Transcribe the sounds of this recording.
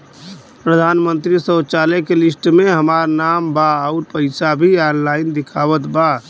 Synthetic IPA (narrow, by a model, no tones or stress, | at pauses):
pɾəd̪ʱanmənt̪ɾisət͡ʃalɛkelisʈmeɦəmaɾnambaəuɾpəɪsabʱianlaɪnd̪ikʰaʋət̪ba